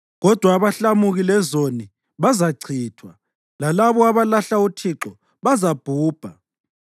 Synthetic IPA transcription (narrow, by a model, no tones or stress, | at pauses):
ɣɔd̥ʱwaːβaɬamuɣilɛzoni | βazaɡ͡ǀʰʱiːtʰwa | lalaβɔaβalaɬautʰiǁɔ | βazab̥ʱuːb̥ʱa